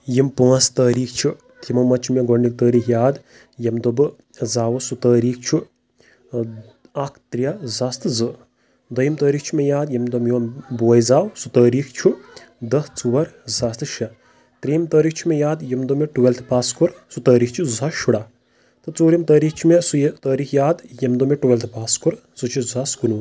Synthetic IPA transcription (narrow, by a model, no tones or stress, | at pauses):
jimpuɐst̪əːɾiːkʰt͡ʃʰu | t̪ʰimɐmɐt͡ʃʰumʲeɡoɳɖik̚t̪əːɾiːkʰjaːd̪ | jɐmd̪obɨ | zaːwusut̪əːɾiːkʰt͡ʃʰu | akʰt̪ɾijɐzaːst̪ɨzɨ | d̪ɐjimt̪əːɾiːt͡ʃʰumʲejaːd̪jɐmd̪omjoːnboːjzaːwsut̪əːɾiːkʰt͡ʃʰu | d̪ɐst͡suʋɐɾzaːst̪ɨʃɐ | t̪ɾiːmt̪əːɾiːkt͡ʃʰumʲejaːd̪jɐmd̪omʲeʈuʋelʲt̪ʰpaːskuɾsut̪əːɾiːkt͡ʃʰuzuzaʃuɽaː | t̪ɨt͡soːɾjimt̪əːɾiːkʰt͡ʃʰumʲesut̪əːɾiːkʰjaːd̪jɐmd̪omʲeʈuʋelʲt̪ʰpaːskuɾ | zɨt͡ʃʰizaskunuː